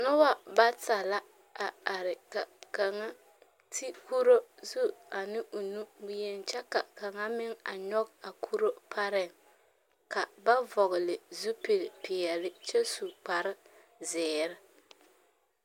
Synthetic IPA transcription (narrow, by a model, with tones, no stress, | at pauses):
nʊ˦wa˦ba˦ta˨la˦ | a˨a˨ɾɪ˨ka˨ka˨ŋa˦ | tʰi˦ku˦ɾo˦zu˦a˨nɪ˦ʔo˨nu˦wi˦jɛ˦nt͡ʃɛ˦ka˨ka˨ŋa˦mɪ˦ŋa̰˨ɲɔ˦ɡa˨kʰu˦ɾo˦pʰa˦ɾɛ˦˨ŋ | ka˨ba˦vɔ˨ɣɪ˨lɪ˨zu˦pe˨lɪ˨pɪ˨ɛ˨lɪ˦t͡ʃɛ˦su˨k͡pa˨ɾɪ˦ | zɪː˨ɾɪ˦